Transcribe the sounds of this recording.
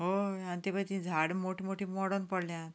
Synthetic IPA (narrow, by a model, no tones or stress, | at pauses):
ɦoanit̪ipət̪ĩd͡zʱaɽmoʈʰimoʈʰiːmɔɽənpəɽljãt̪